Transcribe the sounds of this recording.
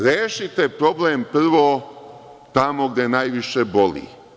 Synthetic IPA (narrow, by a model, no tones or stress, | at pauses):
ɾeːʃit̪epɾo̞blempr̩ʋoː | t̪amoɡd̪enajʋiʃebo̞lḭ